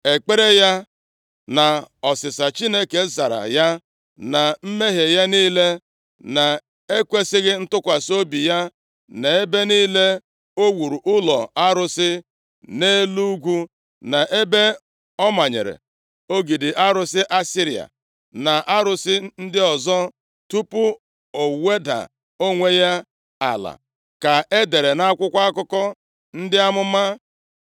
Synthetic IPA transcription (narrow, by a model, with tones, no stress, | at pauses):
e˨k͡pe˦ɾe˦ja˦ | na˨ɔ˨sɪ˨sa˨t͡ʃi˦ne˦ke˨za˨ɾa̰˨ja˦ | na˨m̩˦me˦ɦe˨ja˦niː˦le˦ | na˨ | e˦kʷe˦sɪ˦ɣɪ˦n̩˦tʊ˦kʷa˨so˦bi˨ja˦ | ne˨e˦be˦niː˦le˦ | o˦wu˨ɾu˨ʔʊ˦lɔ̰˨a˦ɾʊ˦sɪ˦ | ne˦lu˦ɡʷu˦ | na˨ʔe˦be˦ | ɔ˦ma˨ɲḛ˨ɾḛ˨ | o˦ɡi˨dɪ˨ʔa˦ɾʊ˨sɪ˦ʔa˦si˦ɾi˨a̰˨ | na˨ʔa˦ɾʊ˨sɪ˦n̩˦dɪ˦ɔ˨zɔ˦ | tu˦pʊ˦ | o˨we˦da̰˨ | o˦ŋʷe˦ja˦ | a̰˨la̰˨ | ka˨e˦de˨ɾe˨na˦kʷʊ˦kʷa˦a˦kʊ˦kɔ˦ | n̩˦dɪ˦a˦mʊ˦ma˦